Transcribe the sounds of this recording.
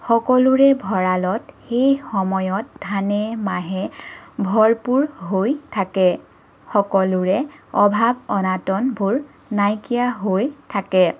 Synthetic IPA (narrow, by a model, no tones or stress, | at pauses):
xɔkɔlʊɹɛbʱɔɹalɔtxejxɔmɔjɔt̚dʱanɛmaɦɛbʱɔɹpuɹɦojtʰakɛ | xɔkɔlʊɹɛɔbʱabɔnatɔnbʱuɹ | najkijaɦojtʰakɛ